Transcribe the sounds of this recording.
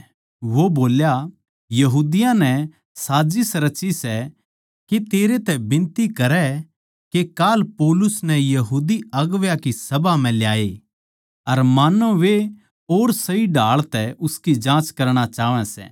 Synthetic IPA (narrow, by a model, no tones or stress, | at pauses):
ʋoboːlja | jɐɦuːd̪ɪjãnɛ | saːd͡ʒisɾɐt͡ʃisɛ | ket̪eːɾet̪ɛbɪ̃nt̪ikɐɾɛ | kekaːlpoːlʊsnɛjɐɦuːd̪iɐɡʋjakisɐbam̤ɛ̃ljaːe | ɐɾmaːnoʋe | oːɾsɐiɖʱaːɭt̪ɛʊskid͡ʒãːt͡ʃkɐɾɽ̃at͡ʃaːʋɛ̃sɛ̰ː